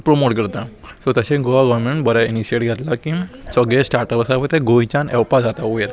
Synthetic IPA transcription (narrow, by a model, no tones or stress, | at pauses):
pɾomoʈkəɾt̪asɔt̪əɕẽɡoʋaɡɔʋɾmeɳʈbəɾjainiɕieʈɡʱɛt̪lakĩsəɡɭesʈaɾʈəpəsapət̪eɡojt͡ɕanɛwpad͡zat̪aueɾ